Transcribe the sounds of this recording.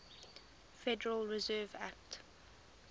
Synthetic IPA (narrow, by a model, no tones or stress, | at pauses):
fɛdəɹəlɹɪzɜːvæk̚t